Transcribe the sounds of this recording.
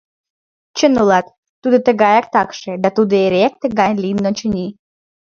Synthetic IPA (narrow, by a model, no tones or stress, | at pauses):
t͡ɕənulɑt̪ː | ud̪ot̪əɣɑjɑk̚t̪ɑkʃed̪ɑt̪ud̪oeɾek̚t̪əɡɑjlʲinːot͡ɕə̆nʲi